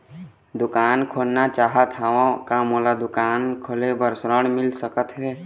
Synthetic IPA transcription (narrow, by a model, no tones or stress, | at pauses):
d̪ʊkaːnkʰolnat͡ʃaːɦət̪ɦaãkamoːlad̪ʊkaːnkʰolebəɾsɾəɽmɪlsəkət̪ɦɛː